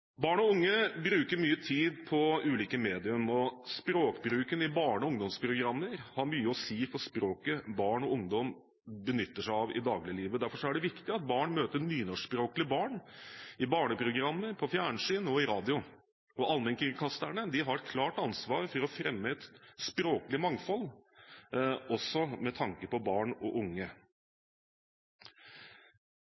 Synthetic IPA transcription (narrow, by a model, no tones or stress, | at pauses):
bɑːɳɔʊŋːəbɾʉːkəɾmyːət̪ʰiːd̪pʰɔʉːliːkəmeːd̪ɪʉmɔspɾoːkbɾʉːkənɪbɑːɳɔʊŋd̪ɔmspʰɾʊɡɾɑmːəɾhɑɾmyːəɔsiːfɔʂpɾoːkəbɑːɳɔʊŋd̪ɔm | bənʏt̪ːəʂæɪɑʋɪ̰d̪ɑːɡlɪliːʋəd̪æɾfɔʂɔæɖɛʋɪkt̪ɪɑt̪̚bɑːɳmøːt̪əɾnyːnɔʂpɾoːklɪəbɑːɳɪbɑːɳəpʰɾʊɡɾɑmːəpʰɔfjæːɳʂiːnəɔɪɾɑːd̪ɪʊ | ɔʔɑlmɛŋkɪŋkʰɑst̪æɳəd̪ɪɦɑɾɛkʰlɑːʈɑnsʋɑːɾfɔɾɔfɾɛmːəɛt̪spɾoːklɪmɑŋfɔlː | ɔsɔmɛt̪ʰɑŋkəpɔbɑːɳɔʔʊŋːə